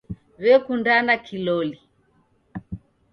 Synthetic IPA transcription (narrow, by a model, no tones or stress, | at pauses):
βɛkundanakilɔli